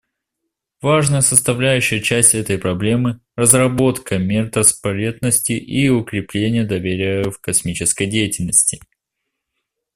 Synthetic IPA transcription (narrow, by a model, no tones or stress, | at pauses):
vaʐnəjəsəst̪ɐvlʲæjʉɕːɪjət͡ɕæsʲtʲɛt̪əjpɾɐblʲe̞mɨ | rəzrɐbo̞t̪kəmʲert̪əspɐɾʲe̞t̪nəsʲtʲɪʔiʊkɾʲɪplʲenʲɪjəd̪ɐvʲeɾʲɪjəfkɐsmʲit͡ɕɪskəjdʲejɪtʲɪlʲnəsʲtʲɪ